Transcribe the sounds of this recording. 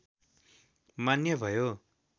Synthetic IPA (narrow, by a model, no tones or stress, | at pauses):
manjʌbʱʌjo